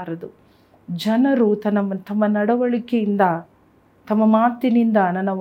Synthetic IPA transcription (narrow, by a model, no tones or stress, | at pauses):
ɾɐd̪u | d͡ʒɐnɐɾut̪ɐnːɐmɐt̪ɐmːɐnɐɽɐʋɐɭikejind̪ɐ | t̪ɐmːɐmaːt̪inind̪ɐnɐnːɐʋ